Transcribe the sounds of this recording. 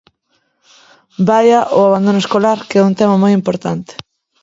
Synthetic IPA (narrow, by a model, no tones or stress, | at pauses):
bajaʔoaβand̪onoeskolaɾkɛuŋt̪ɛmamojimpoɾt̪ant̪ɪ̥